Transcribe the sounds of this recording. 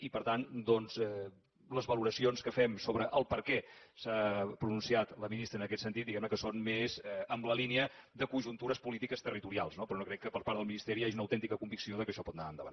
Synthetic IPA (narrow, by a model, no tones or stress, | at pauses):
ipəɾt̪and̪ɔnzɛ | ləzβəluɾəsionskəfɛmsoβɾəʔəlˠpəɾkɛsapɾununsiat̪ləminist̪ɾəːnəkɛt̪sənt̪it̪d̪iɣɛmnəkəsonmezɛəmbləliniəd̪əkunʒunt̪uɾəspulit̪ikəst̪ərit̪uɾialˠsnopɾɔnokɾɛkːəpəɾpaɾd̪ðəlˠminist̪ɛɾiaʒiunəwt̪ɛnt̪ikəkumbiksioðəkəʃɔpɔt̪na̰ənd̪əβan